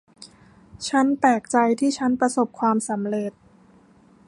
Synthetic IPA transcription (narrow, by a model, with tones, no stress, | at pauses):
t͡ɕʰa˦˥npɛː˨˩k̚t͡ɕa˧jt̪ʰiː˥˩t͡ɕʰa˦˥npɾa˧so˨˩p̚kʰwaː˧msa˩˦mɾe˨˩t̪̚